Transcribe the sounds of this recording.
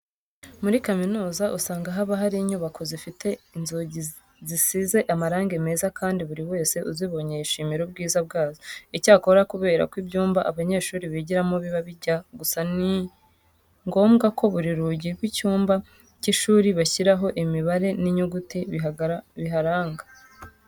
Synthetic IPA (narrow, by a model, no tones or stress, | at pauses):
muɾikaminuːzaʔusaːŋɡaɦaβaɦaɾiɲuβakʰozifitʰe̞inzoɟi | zisize̞ʔamaɾaːŋɡe̞me̞ːzakʰaːndiβuɾiwe̞ːse̞ʔuziβo̞ɲeiʃimiɾobɡiːzab̚ɡaːzoicaːko̞ɾakuβe̞ːɾa̰kwibɟuːmbaʔaβaɲe̞ːʃuːɾiβiɟiɾamoβiβaβiɟaɡusani | ŋɡo̞ːmɡako̞βuɾiɾuɟiɡwicuːmba | ciʃuːɾiβaçiɾaɦo̞ʔimiβaɾe̞niɲuɡuti | βiɦaɾaːŋɡa